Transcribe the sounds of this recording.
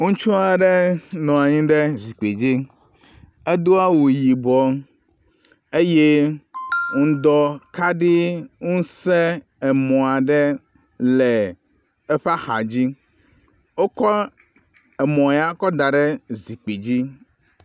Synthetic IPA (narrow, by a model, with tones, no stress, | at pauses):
ŋũ˦t͡ʃu˦a˨ɖɛ˦nɔ̃˨a˨ɲĩ˦ɖɛ˦zi˨k͡pe˨d͡ʑi˦ | e˦d̪o˦a˦wu˨ji˨bɔ˨ | e˦je˦ | ŋũ˦d̪ɔ˦ka˦ɖi˦ŋũ˦sɛ˦ | ɛ˨mɔ̃˨a˨ɖɛ˦ | lɛ˨ | ɛ˦ɸa˦xa̰˨d͡ʑi˦ | wo˦kɔ˦ | ɛ˨mɔ̃˨ja˦kɔ˦d̪a˨ɖɛ˦zi˨k͡pe˨d͡ʑi˦